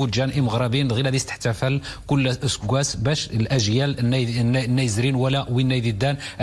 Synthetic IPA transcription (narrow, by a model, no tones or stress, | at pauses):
ud̪ʒænʔiməɣɾˤɑbinɣilæd̪ist̪ə̥ħt̪æfəlkʊlːsəɡʷːæsbæʃəlʔæʒjælnːænːnːæjzɾinwəlæʔwinːæjd̪id̪ːænʔ